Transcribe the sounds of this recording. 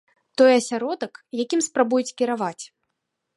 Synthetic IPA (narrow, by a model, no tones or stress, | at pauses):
t̪ɔjɐsʲaɾɔd̪ɐkjakʲimspɾabujut͡sʲkʲiɾavat͡sʲ